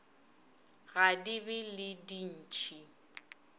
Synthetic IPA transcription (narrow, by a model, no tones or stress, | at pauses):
ɣadibɪlɪdin̩t͡ʃʰʼi